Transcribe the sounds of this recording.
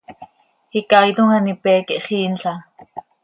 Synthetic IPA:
hikajt̪uŋanipɛːkiʔχiːnɬa

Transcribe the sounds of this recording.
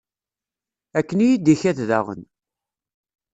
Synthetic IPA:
ækːənijid̪içæθðæ̰ʁə̰n

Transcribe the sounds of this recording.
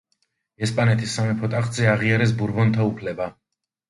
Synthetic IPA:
ɛspʼanɛt̪ʰisːamipʰɔt̪ʼaχt̪zɛaʁiaɾɛs̬buɾbɔnt̪ʰaupʰlɛba

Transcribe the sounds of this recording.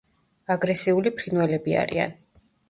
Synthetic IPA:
aɡɾɛsiulipʰɾinwɛlɛbia̰ɾḭa̰n

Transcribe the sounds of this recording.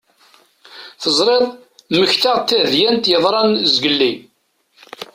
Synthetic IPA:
θəzˤɾˤeðˤ | məçt̪aʁt̪ːæðjænt̪jəðˤɾˤɑnzɡəlːi

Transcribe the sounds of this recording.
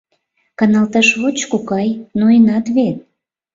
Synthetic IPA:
kɑnɑlt̪ɑʃβot͡ɕkukɑjnoənɑt̪βet̪̚

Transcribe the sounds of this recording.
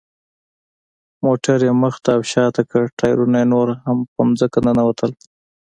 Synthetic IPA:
moʈaɾjeməxt̪aːwʃɑt̪akəʈɑjɾunajenoɾhampəmzəkananawat̪ʰəl

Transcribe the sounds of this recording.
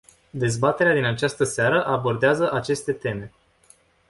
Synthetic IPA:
d̪e̞zbat̪e̞ɾead̪inat͡ʃast̪əseaɾəʔabo̞rd̪eazəʔat͡ʃe̞st̪e̞t̪e̞me̞

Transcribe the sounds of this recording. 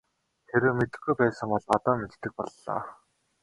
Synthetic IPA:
xeɾɘ̆ːmet̪ɘ̆xɡujpæːsə̆ŋpɔɮpat̪ɔːmet̪t̪ːɘ̆k̚pɔ̰ɮːa̰ː

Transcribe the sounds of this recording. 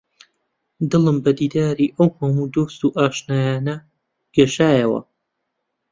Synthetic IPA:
d̪ɨlˠɨmbɐd̪iːd̪aːɾiʔɐwhɐmud̪oːst̪uːʔaːʃnaːjaːnɐ | ɡ̥ɐʃaːjɐwɐ̰

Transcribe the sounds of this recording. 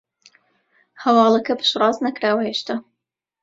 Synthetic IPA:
hɐwɑːlˠɐkɐpʰɨ̥ʃrˤɑːznɐkɾaːwɐheːʃt̪ʰaː

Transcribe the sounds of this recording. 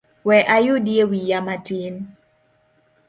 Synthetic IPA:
wɛʔajʊdjewijamatin

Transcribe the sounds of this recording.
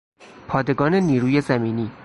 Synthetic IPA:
pʰɒːd̪e̞ɡɒːne̞niːɾuːje̞zæmiːniː

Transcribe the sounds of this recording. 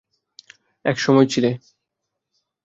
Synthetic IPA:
ɛkʃɔmɔjt͡ɕʰile

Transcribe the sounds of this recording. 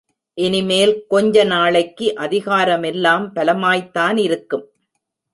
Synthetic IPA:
ʔɛnɪmeːlkɔɲd͡ʒɐnaːɭɐɪkːɯʔɐðɪɣaːɾɐmɛlːaːmpɐlɐmaːjt̪ːaːnɪɾɯkːɯm

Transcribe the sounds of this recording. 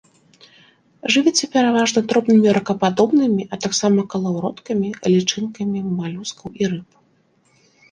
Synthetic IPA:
ʐɨvʲit͡sʲɛpʲɛɾavaʐnɐd̪ɾɔbnɨmʲiɾɐkɐpad̪ɔbnɨmʲiʔɐt̪aksamɐkɐlˠawɾɔt̪kɐmʲiɐlʲit͡ʂɨnkɐmʲimalʲuskɐwiɾɨp

